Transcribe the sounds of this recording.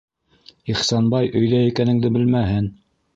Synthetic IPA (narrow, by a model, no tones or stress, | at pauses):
iχsɑnbɑjʔɵ̆jðæjikænɘ̆ŋd̪ɘbɘlmæɦɘn